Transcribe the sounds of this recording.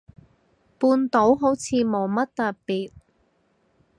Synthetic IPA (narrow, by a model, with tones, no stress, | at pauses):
puː˧nt̪o˨˥wɦo˨˥wt͡sʰiː˨˧mo˨˩wmɐ˥t̚t̪ɐ˨ppiː˨t̚